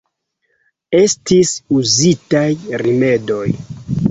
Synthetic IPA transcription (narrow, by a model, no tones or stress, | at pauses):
e̞stisuzitajrime̞do̞j